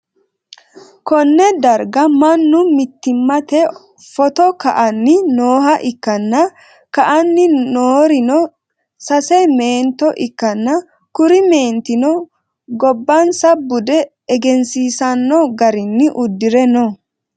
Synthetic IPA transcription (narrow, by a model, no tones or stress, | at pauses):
kɔnːɛd̪ɐɾɡɐmɐnːʊmɪt̪ːɪmːɐt̪ɛ | fɔt̪ɔkɐʔɐnːɪnoːɦɐʔɪkːɐnːɐ | kɐʔɐnːɪnoːɾɪnɔ | sɐsɛme̞ːnt̪ːɔʔɪkːɐnːɐ | kʊɾɪme̞ːnt̪ɪnɔ | ɡɔbːɐnsɐbʊd̪ɛː | ɡɛnsiːsɐnːɔɡɐɾɪnːɪʔʊd̪ːɪɾɛnɔ